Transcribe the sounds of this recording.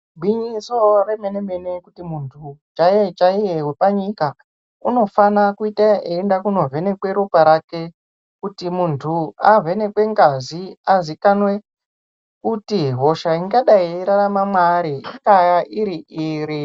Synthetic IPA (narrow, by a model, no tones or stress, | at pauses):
bʱiɲisoremene̞menekutimuntʰut͡ʃajet͡ʃaijeɦwepaɲika | uno̞fanakuitaeːndakuno̞vʱe̞ne̞kwe̞ɾupaɾake̞ | kutimuntʰuave̞ne̞kwe̞ŋɡaziazikanwe̞ | kutiɦo̞ʃaiŋɡaɗaiɾaramamwaɾiiŋɡajaʔiɾiʔiɾi